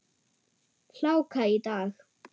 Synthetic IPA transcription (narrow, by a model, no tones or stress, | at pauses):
ɬawkʰaid̪aːɣ